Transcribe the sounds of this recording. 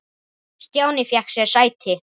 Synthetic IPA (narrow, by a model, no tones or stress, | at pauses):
st̪joːwnɪfjɛhksɛɾsaːjt̪ʰɪ